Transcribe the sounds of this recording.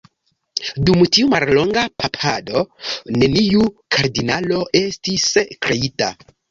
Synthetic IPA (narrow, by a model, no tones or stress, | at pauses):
dumtiumallo̞ŋɡapʰapʰado̞ne̞niukʰaɾdinalo̞ʔe̞stiskɾe̞ita̰